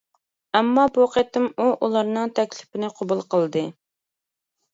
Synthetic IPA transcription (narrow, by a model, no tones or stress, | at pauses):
ɛmːɑbuqet̪ɪmuʔulˠɑɾnɨŋt̪ʰɛkʲlɪ̥pɪnɪqʰobulˠqʰəlˠd̪ɨ